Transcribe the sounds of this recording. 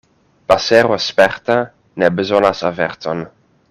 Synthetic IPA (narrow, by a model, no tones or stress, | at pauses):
b̥asɛɾwɛspɛrta | nɛbəzɔnasavɛrtʰɔn